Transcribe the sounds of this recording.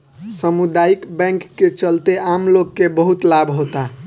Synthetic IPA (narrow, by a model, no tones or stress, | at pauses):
səmud̪aikbɛ̃ŋkːet͡ʃəlt̪eʔamloɡːebəɦut̪labɦot̪a